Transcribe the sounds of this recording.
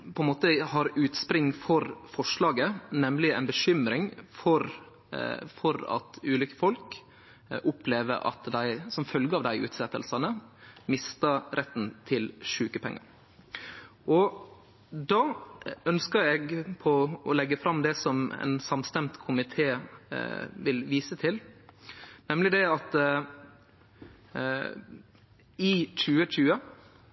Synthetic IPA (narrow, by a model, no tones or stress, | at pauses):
pʰɔɛnmoːt̪əhɑːɾʉːt̪spɾɪŋːfɔɾfɔʂɭɑːɡənɛmlɪɛɪnbəʃʏmɾɪŋfɔɾ | fɔɾɑ̰t̪ʉːlʏkəfɔlk | ʔʊpʰleːʋə̰ɾʔɑ̰t̪d̪æɪsɔmfœlɡəɑːʋd̪æɪʔʉ̰ːt̪sɛt̪ːəlsɑnəmɪst̪əɾʔɛt̪n̩t̪ʰɪlʂʉːkəpʰɛ̰ŋːɑ̰ɾ | ʔɔ | d̪ɑːœnskəɾɛɡpʰɔɔlɛɡːəfɾɑmd̪ɛsɔmɛ̰nsɑmst̪ɛmt̪kʰʊmɪt̪ʰeː | ʋɪlʋiːsət̪ʰɪl | nɛmlɪd̪ɛɑt̪ | ɪc͡çʉːət͡ʃʉːə